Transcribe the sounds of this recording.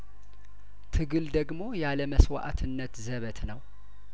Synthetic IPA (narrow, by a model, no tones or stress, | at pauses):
t̪ʰɨɡɨld̪əɡmo̞jaləməswa̰ʔa̰t̪ʰɨnːət̪zəβət̪nəw